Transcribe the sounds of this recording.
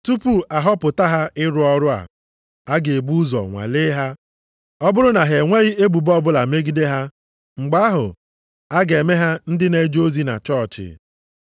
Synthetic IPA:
tu˦pu˨a˨ɦɔ˦pʊ˨ta˦ɦa˦ɪ˦ɾʊ˦ɔ˦ɾʊ˦a̰˨ | a˦ɡe˨e˨bu˦zɔ̰˨ŋʷa̰˨le˦ɦa˦ | ɔ˦bʊ˦ɾʊ˦na˨ɦe˨ŋʷe˦ɣi˦e˦ɡ͡bu˨bɔ˦bʊ˦la˨me˦ɡi˦de˦ɦa˦ | ŋ͡m̩˨ɡ͡ba˦a˦ɦʊ̰˨ | a˦ɡe˨me˦ɦa˦n̩˦dɪ˦ne˨d͡ʒo˦zi˦na̰˨t͡ʃɔ˦˨t͡ʃɪ̰˨

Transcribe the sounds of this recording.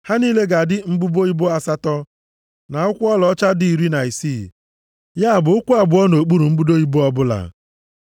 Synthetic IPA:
ha˦ni˦le˦ɡa˨dɪ˦ŋ͡m̩˦bu˦bo˦i˦bo˦a˨sa˦tɔ˦ | na˨ʊ˦kʷʊ˦ɔ˦lɔ˦t͡ʃa˦di˨i˨ɾi˦na˨i˨si˦˨ | ja˦a˨bʊ˨ʊ˦kʷu˦a˨bʊ˨ɔ˦no˨o˨k͡pu˦ɾu˨ŋ͡m̩˦bu˦do˦i˦bo˦ɔ˦bʊ˦la̰˨

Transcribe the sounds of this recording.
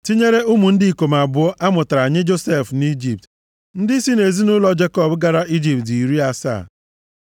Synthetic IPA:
ti˦ɲe˦ɾe˦u˦mu˨n̩˦dɪ˦i˨ko˨m˨a˨bʊ˨˦ɔ˦ʔa˦mʊ˨ta˨ɾa˨ɲɪ˦d͡ʒo˦se˦˨fni˦d͡ʒi˨p̚t | n̩˦dɪ˦si˦ne˨zi˦nʊ˦lɔ˦d͡ʒe˦kɔ˦bɡa˨ɾa˦ʔi˦d͡ʒi˨p̚ti˨ɾi˦a˦sa̰ː˦˨

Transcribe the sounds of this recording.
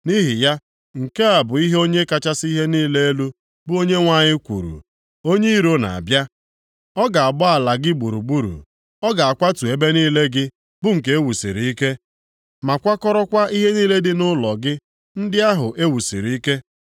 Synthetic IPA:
ni˦ɦɪ˨ja˦ | ŋ̩˨ke˦a˨bʊ˨i˦ɦe˦o˦ɲe˦ka˦t͡ʃa˦si˦ɦe˦niː˦le˦e˦lu˦ | bʊ˦o˦ɲe˦ŋʷa˦ɲɪ˦kʷṵ˨ɾṵ˨ | o˦ɲe˦i˦ɾo˦na̰˨a˨bja˦ | ɔ˦ɡa˨a˨bɔ˦a˨la˨ɡɪ˦ɡ͡bu˨ɾu˨ɡ͡bu˦ɾṵ˨ | ɔ˦ɡa˨a˨kʷa˦tu˨e˨be˦niː˦le˦ɡɪ˦ | bʊ˦ŋ̩˨k̬e˨˦e˦wu˨sḭ˨ɾi˨i˦ke˦ | ma˨kʷa˦kɔ˦ɾɔ˦kʷa˦ʔi˦ɦe˦niː˦le˦dɪ˦nʊ˦lɔ˨ɡɪ˦ | n̩˦dɪ˦a˦ɦʊ˨ʔe˦wu˨sḭ˨ɾi˨i˦ke˦

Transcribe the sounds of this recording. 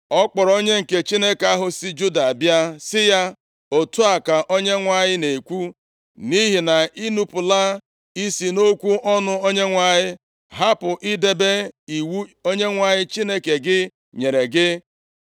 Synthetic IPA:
ɔ˦k͡pɔ˨ɾo˦ɲe˦ŋ̩˨ke˨t͡ʃi˦ne˦ka˦ɦʊ˨si˦d͡ʒu˦da˨a˨bja˦sɪ˦ja˦ | o˨tu˦a˨ka˨ʔo˦ɲe˦ŋʷa˦ɲɪ˦ne˨kʷu˦ | ni˦ɦi˨na˨ʔi˦nu˦pʊ˨la˦ | i˦si˨no˦kʷu˦ʔɔ˦nʊ˦o˦ɲe˦ŋʷa˨ɲɪ˦ | ɦa˦pʊ˨ʔɪ˦de˨be˦i˨wu˦o˦ɲe˦ŋʷa˨ɲɪ˦t͡ʃi˦ne˦ke˨ɡɪ˦ | ɲe˨ɾe˨ɡɪ˦

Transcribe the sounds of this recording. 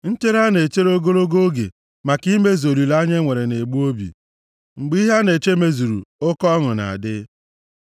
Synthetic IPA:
n̩˦te˦ɾa˦ne˨t͡ʃe˦ɾo˦ɡo˦ɾo˦ɡo˦ɡḛ˨ | ma˨ki˦me˦zo˨li˨la˦ɲe˦ŋʷe˨ɾe˨ne˨ɡ͡bu˦o˦bḭ˨ | ŋ͡m̩˨ɡ͡bi˦ɦa˦ne˨t͡ʃe˦me˦zu˨ɾṵ˨ʊ˦kɔ˦ŋʊ˨na̰˨a˨dɪ˦

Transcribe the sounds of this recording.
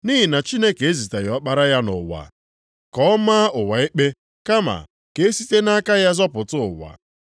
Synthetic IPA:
ni˦ɦi˨na˨t͡ʃi˦ne˦ke˨e˦zi˨ta˨jɔ˨˦k͡pa˦ɾa˦ja˦nʊ̰˨wa̰˨ | kɔ˦ɔ˦ma˦ʊ˨wa˨ɪ˦k͡pe˦ | ka˦ma̰˨ | ke˨e˦si˦te˦na˦ka˦ja˦zɔ˦pʊ˨tʊ˦ʊ˨wa̰˨

